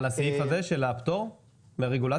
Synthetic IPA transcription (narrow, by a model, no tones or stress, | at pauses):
lasejifazeʃelaːpt̪oʁ | meʁeɡula